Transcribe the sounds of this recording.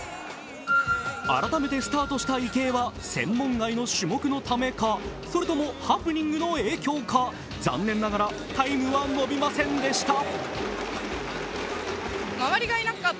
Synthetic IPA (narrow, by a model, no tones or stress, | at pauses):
a̰ɾat̪ame̞t̪e̞sɨ̥t̪aːt̪o̞ɕi̥t̪aike̞ːβasẽ̞̰mːõ̞ŋɡaino̞ɕɨmo̞kɯ̟no̞t̪ame̞kaso̞ɾɯ̟t̪o̞mo̞hapɯ̟ɲʲĩŋɡɯ̟no̞e̞ːkʲo̞ːka | d͡zã̰nːẽ̞nːaɡaɾa | t̪aimɯ̟βano̞bʲimasẽ̞nd̪e̞ɕi̥t̪a | maβaɾʲiɡainaka